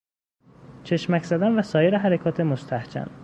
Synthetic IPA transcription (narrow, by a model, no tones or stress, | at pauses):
t͡ʃʰe̞ʃmæcz̥æd̪ænvæsɒːjeɾeɦæɾekʰɒːt̪ʰe̞most̪ʰæhd͡ʒæ̰n